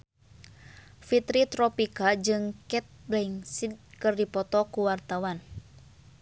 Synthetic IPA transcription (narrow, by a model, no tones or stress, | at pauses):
fit̪ɾit̪ɾɔpikad͡ʒɨŋkɛt̪̚blɛŋsid̪̚kɨrdipɔt̪ɔkuwart̪awan